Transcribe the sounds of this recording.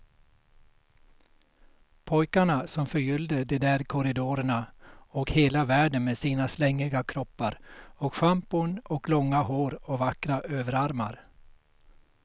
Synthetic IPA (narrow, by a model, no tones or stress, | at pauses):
pʰɔjkaɳasɔmfœɾjʏld̪əd̪ɛd̪æːɾkʰɔɾɪd̪oːɾəɳaɔkheːlavæːɖənmeːsiːnaslɛŋːɪɡakʰɾɔpːaɾɔkɧampʊɳɔklɔŋːaɦoːɾɔvakːɾaʔøːvəɾaɾma̰ɾ